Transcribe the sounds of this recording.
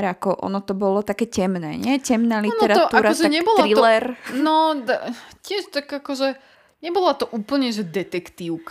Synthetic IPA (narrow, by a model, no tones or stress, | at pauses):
ɾakɔʔɔ̰nɔt̪ɔbɔlɔt̪akɛːcɛmnɛ̰ːɲɛcɛmnalitnɛɾaɔtʔ̪uaːɾaɔtʒɛaɲɛbɔlɾɾilɛɾnɔt̪acɪɛʃt̪akakɔʒɛ | ɲɛbɔlat̪ɔʔuːpl̩ɲɛʒɛd̪ɛt̪ɛkt̪iːʊk